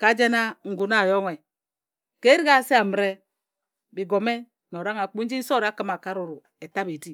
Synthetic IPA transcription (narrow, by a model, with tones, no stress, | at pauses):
ka˨˦d͡ʒe˦na˦ŋ̩˨ɡu˨na˦˨jo˦ŋe˨ | ke˦ɾi˦ɣa˦˨se˦a˨m˨ɾe˦ | bi˨ɡo˨me˦ | no˨ɾa˦ŋa˨k͡pu˦n̩˦d͡ʒi˦n̩˦so˦˨ɾa˨˦ki˦ma˨ka˦ɾu˨ɾu˨ | e˨ta˦be˨di˦